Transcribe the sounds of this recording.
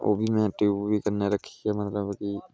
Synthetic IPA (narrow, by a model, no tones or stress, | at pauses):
o̰ːbʱimɛ̃ʈibʱikəɾneɾəkʰːi̥ɡɛmət̪ləbki